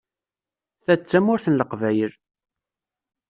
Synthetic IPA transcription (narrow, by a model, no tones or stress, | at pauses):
θæt͡sːæmʊɾθənləqvæjəl